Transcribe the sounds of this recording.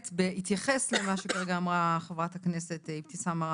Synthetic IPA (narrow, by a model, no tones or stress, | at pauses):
tbeit̪jaχeslemaʃekvaʁɡaːmʁaχavʁathaknese̞tipt̪isamaʁ